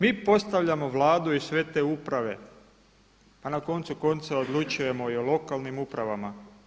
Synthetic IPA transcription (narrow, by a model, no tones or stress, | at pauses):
miːpo̞st̪aʋʎamo̞ʋlˠaːd̪uisʋe̞t̪e̞ːupɾaʋe̞ | panako̞nt̪suko̞nt̪saod̪lut͡ʃuje̞mo̞iolo̞kalnimupɾaʋama